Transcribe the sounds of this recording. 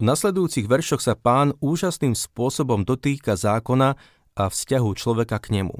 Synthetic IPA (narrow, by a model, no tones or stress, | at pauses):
vnaslɛd̪ujuːt͡siɣʋɛɾʃɔxsapaːnuːʒasniːmspʊɔsɔbɔmd̪ɔt̪iːkazaːkɔna | ʔafscaɦut͡ʃlɔʋɛkakɲɛmṵ